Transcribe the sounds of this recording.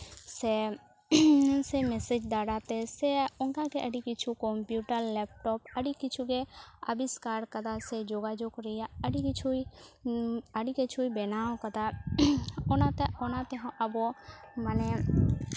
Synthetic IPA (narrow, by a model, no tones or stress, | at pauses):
se | semesed͡ʒd̪aːɽat̪eseʊŋkakeʔɐɽikɪt͡ʃʰukɔmpjuːʈəɾlɛːp̚ʈɔːpɐɽikɪt͡ʃʰukeɐ̰biskaːɾkɐt̪ased͡ʒoːɡad͡ʒokɾɪijaɐɽikɪt͡ʃʰui | əɽiket͡ʃʰuibenaːõkɐt̪a | ɔnat̪eɔnat̪eɦãʔɐbomɐne